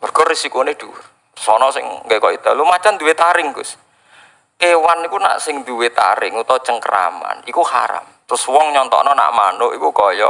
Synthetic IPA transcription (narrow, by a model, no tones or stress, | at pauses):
mərɡ̥ɔrisikonɪhd̪̥ur | sɔnɔsɪŋkekɔid̪̥alumat͡ʃand̪uwet̪aɾɪŋɡʊs | kewanikuna̰ʔsɪŋd̪uwet̪a̰ɾɪŋut̪ɔt͡ʃəŋkəɾa̰ma̰nikuha̰ɾa̰mt̪ɾʊswɔŋɲɔnt̪ɔ̰nɔna̰ʔmanʊʔikukɔjɔ